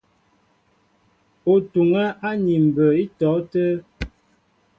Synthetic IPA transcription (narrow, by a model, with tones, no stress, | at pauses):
o˨tu˨ŋɛ˦ʔa˦ni˨m̩˨bə˨i˦tɔ˨˦tə˦